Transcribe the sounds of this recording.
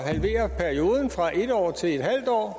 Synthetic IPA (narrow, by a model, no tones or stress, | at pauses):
ɦælʋe̝̰ːɐpʰæɐio̝ːð̞ˠn̩fʁɑ̈ʔe̝d̥ɒ̰ːt͡sʰe̝led̥ɦæl̰d̥ɒ̰ː